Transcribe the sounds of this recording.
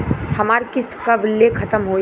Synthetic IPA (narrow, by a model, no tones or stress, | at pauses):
hɐmaːɾkɪst̪kɐblekʰɐt̪əmɦoː